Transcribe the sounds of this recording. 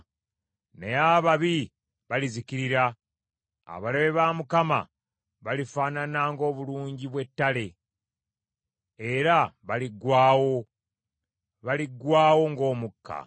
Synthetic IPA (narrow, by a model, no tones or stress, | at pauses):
nḛjaβaβi | βaliziciɾiɾa | a̰βalaβeβamukama̰ | βalifaːnanaŋɡo̞ːβuluːɲɟiβwe̞tːale̞ | eɾaβaliɡwaːwo̞ | βaliɡwaːwo̞ŋɡo̞ːmukʰːa̰